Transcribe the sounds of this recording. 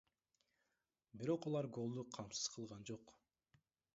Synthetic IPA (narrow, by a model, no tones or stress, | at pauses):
biɾo̞qɑlˠɑɾɡo̞lˠd̪uqʰɑmsɯ̥z̥qʰɯlˠʁɑnd͡ʒo̞q